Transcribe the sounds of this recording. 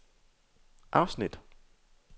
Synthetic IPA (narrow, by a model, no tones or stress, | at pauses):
ʔɑ̈ʊsnid̥